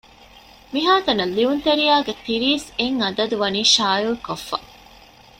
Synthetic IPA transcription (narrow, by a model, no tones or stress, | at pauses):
miɦaːt̪ɐnɐlːiunt̪eɾijaːɡet̪iɾiːseŋɐd̪ɐd̪uʋɐniːʃaːjulkofːɐ